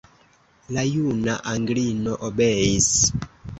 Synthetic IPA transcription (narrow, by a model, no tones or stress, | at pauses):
lajunaʔaŋɡlinɔʔobɛis